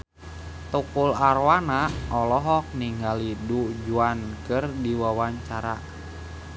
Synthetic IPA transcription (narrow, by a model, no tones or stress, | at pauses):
t̪ukulaɾwanaɔlɔɦɔk̚niŋɡalidud͡ʒuankɨrdiwawaɲt͡ʃaɾa